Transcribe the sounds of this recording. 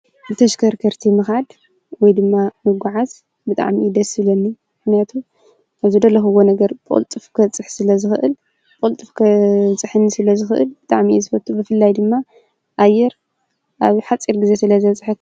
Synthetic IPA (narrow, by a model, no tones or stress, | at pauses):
bɨt̪ʰɐʃkʰɐɾkʰɐɾt̪ʰimɨxad̪ | wɔjd̪ɨmːamɨɡʷaʕaz | bɨt̪ʼa̰ʕmiʔid̪ɐsɨlɐnːimɨxnijat̪ʰu | ʔaβzɨd̪ɐlːɐxwonɐɡɐɾpʼo̰lt̪ʼɨfkʰɐt͡sʼɨħsɨlɐzɨxɨʔɨl | pʼolt̪ʼɨfkʰɐt͡sʼɨħɨnːisɨlɐzɨxɨʔɨ̰lbɨt̪ʼaʕmiizɨfɐt̪ʰʼːubɨfɨlːajd̪ɨmːa | ʔajːɛɾ | ʔaβħat͡sʼiɾɡɨze̞sɨlɐzɐβt͡sʼħɨt̪